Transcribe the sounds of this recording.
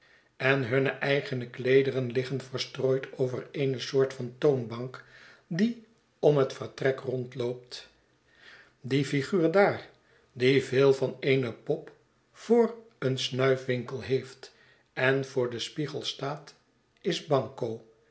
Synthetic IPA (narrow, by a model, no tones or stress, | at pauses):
ɛnɦɵnəʔɛjχənəklejdərənlɪχənvəɹstroːjtʰowvərejnəsʊːɹtfɑntownbɑŋkdi | ɔmɦətfərtrɛkrɔntlowp̚t | difiχyːɹdaːɹ | divɪːlˠvɑnejnəpɔp | fʊːr | ənsnœɥfʋɪŋkəlˠɦejft | ɛnvʊːɹdəspiχəlˠstaːt | ɪzbɑŋkow